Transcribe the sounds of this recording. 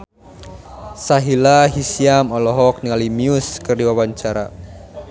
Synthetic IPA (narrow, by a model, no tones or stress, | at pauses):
saɦilaɦisiamɔlɔɦɔk̚niŋalimiuskərdiwawaɲt͡ʃaɾa̰